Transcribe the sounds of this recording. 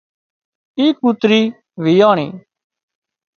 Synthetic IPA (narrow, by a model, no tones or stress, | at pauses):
iːkut̪ɾiː | ʋiːaːɳ̃ḭː